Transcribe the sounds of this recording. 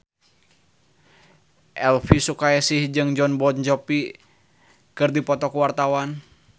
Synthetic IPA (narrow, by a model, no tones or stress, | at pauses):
ʔɛlfisukaɛsihd͡ʒɨŋd͡ʒɔnbɔnd͡ʒɔpi | kɨrdipɔt̪ɔkuwart̪awan